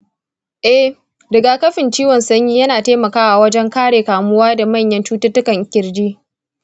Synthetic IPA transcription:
ʔɛ˦h | dɪ˨ɡaː˨kɐ˦ɸɪ˨nt͡ʃiː˦wɔ˨nsɐ˦ɲjiː˦jɐ˦naː˨teː˦mɐ˨kaː˦ʔa˨wɐ˦d͡ʒɛ˦ŋkaː˦ɽeː˨kaː˨mʊ˦waː˦da˨mɐ˦˨ɲjɐ˦nt͡ʃuː˦tʊ˦tʊ˦kɐ˨ŋkʲɪ˨ɾd͡ʒiː˦

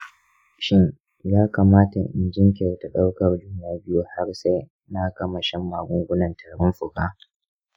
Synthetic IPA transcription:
ʃɪ˦n | jaː˦kaː˨maː˦ta˨ʔɪ̰˨nd͡ʒɪ˦ŋkʲe˨ta˨ɗa˦wkɐ˨rd͡ʒʊ˦mjaː˨bɪ˦ju˦ha˦rsa˦j | na˦kɐ˦mɐ˨ʃɛ˦mːaː˨ɡʷʊ˦ŋɡʷʊ˦nɐ˨ntɐ˨ɽɽɪ˦mɸʊ˨ɡaː˦

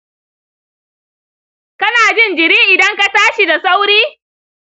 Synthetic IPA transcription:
kɐ˦naː˨d͡ʒɪ˦˨nd͡ʒɪ˨ɾiː˦ŋʔɪ˨dɐ˦ŋka˦taː˦ʃi˨da˨sa˦wɾiː˦

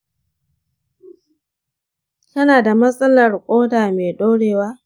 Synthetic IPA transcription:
tɐ˦naː˨da˨mɐ˦sʼɐ˦lɐ˨rkʷʼoː˦daː˨meː˨ɗoː˦ɽeː˨waː˦

